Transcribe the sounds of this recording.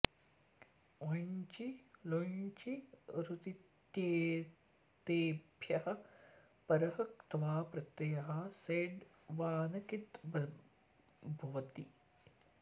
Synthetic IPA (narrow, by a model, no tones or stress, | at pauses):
oɲt͡ʃiloɲt͡ʃiɾut̪it̪jeː | t̪eːbʱjɐhɐ̆ | pɐɾɐɦɐkt̪ɐʋaːpɾɐt̪ːɐjɐɦɐseːɖ | ʋaːnɐkit̪b | bʱɐʋɐt̪i